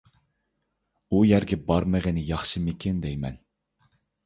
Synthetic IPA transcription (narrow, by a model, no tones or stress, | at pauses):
ujæɾɡʲɛbɑɾmɛʁɪnɪjɑχʃɨmɪkʲʰɪnd̪ɛjmɛ̰n